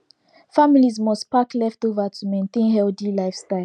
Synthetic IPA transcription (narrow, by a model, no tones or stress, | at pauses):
familizmɔstpaklɛftovətʰumẽɪ̃ntẽnɦɛldilaɪfstaɪl